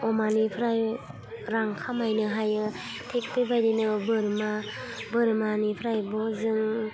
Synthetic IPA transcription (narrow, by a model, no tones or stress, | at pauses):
ɔmanipʰɾaj | ɾaŋkʰamajnɯɦajɯ | tʰek̚pɯbajdinɯbɯɾma | bɯɾmanipʰɾajbɔzɯŋ